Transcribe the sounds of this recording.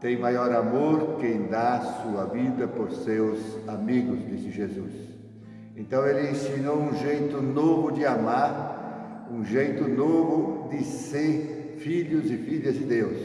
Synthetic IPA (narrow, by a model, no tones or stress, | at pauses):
t̪ẽj̃majɔɾamoɾkẽj̃d̪asuɐvid̪ɐpoɾsewsamiɡʊzd̪isɪʒezus | ẽnt̪ɐ̃w̃elɪẽsinowũʒejt̪ʊnovʊd̪ɪamaɾ | ũʒejt̪ʊnovʊd̪ɪseɾ | fiʎʊzɪfiʎɐzd̪ɪd̪ews